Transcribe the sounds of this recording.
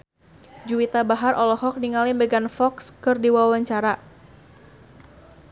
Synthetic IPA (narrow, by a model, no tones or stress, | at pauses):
d͡ʒuit̪abaɦarʔɔlɔɦɔk̚niŋalimbɛɡanfɔkskɨrdiwawaɲt͡ʃaɾa